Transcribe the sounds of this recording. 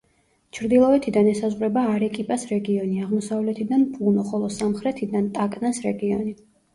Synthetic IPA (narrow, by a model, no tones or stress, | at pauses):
t͡ʃʰɾd̪ilˠɔɛt̪ʰid̪anɛsazʁɾɛbaːɾɛkʼipʼasɾɛɡiɔniaʁmɔsavlɛt̪ʰid̪anpʼunɔχɔlˠɔsamχɾɛt̪ʰid̪ant̪ʼakʼnasɾɛɡiɔni